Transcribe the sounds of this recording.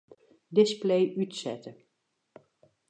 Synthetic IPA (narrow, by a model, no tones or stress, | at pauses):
dɪsplejʔytsɛtə